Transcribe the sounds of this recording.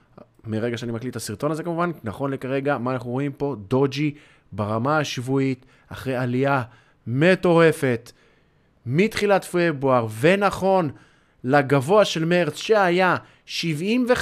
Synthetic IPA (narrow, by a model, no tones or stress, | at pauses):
miʁe̞ɡaʃeanimaklitasiʁt̪o̞naze̞kamuvannaχo̞nlekaʁe̞ɡamaːnaχnuʁo̞impo̞d̪o̞d͡ʒi | baʁamaaʃvuit | aχʁejalia | me̞to̞ʁe̞fe̞t | mitχilatfebuaʁve̞naχo̞n | laɡavo̞aʃe̞lmeʁt͡sʃeaja | ʃivimve